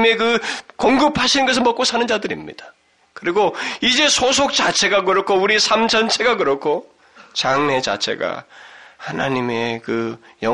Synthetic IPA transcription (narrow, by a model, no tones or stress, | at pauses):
me̞kɯkoŋɡɯpʰaɕʰinɯnɡʌs̬ʰɯɭmʌk͈osʰanɯnd͡ʑadɯɾḭmɲḭd̥ḁ | kɯɾiɡoid͡ʑe̞sʰos̬ʰok̚t͡ɕ͈at͡ɕʰe̞ɡakɯɾʌɭkʰouɾisʰamt͡ɕʰʌnt͡ɕʰe̞ɡak̬ɯɾʌkʰo | t͡ɕaŋne̞t͡ɕa̰t͡ɕʰe̞̰ɡa̰hana̰ɲime̞kɯ | jʌ